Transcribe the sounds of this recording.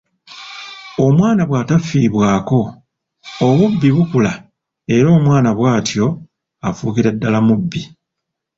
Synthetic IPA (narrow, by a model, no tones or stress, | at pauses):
o̞mwaːnaβwaːtafiːβwaːko̞ː | βubːiβukula | e̞ɾo̞ːmwaːnaβwaːtjo̞ | afuːkiɾadːalamubːi